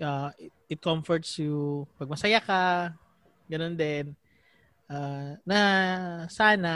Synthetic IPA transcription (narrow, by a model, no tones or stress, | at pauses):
ʔaɪ | ɪt̪̚komfɔɹt̪sjʊpɐɡ̚mɐsɐjaka | ɡɐnond̪ɛn | ʔaːnɐ | saːna